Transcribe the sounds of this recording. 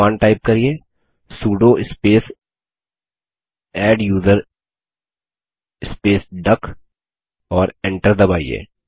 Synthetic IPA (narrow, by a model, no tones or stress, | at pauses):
aːnʈaːɪp̚kɐɾieː | suːɖõʔɪspeːs | ɛːɖjuːzəɾ | ɪspeːsɖɐk | ɔːɾɪ̃ɳʈəɾd̪ɐbaːḭːḛː